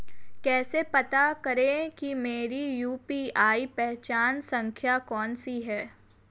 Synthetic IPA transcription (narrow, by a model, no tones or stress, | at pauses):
kɛːsepɐt̪akɐɾẽkimeːɾijuːpiːaːipɛɦt͡ʃaːnsɐ̃ŋkʰjakɔːnsiɦɛː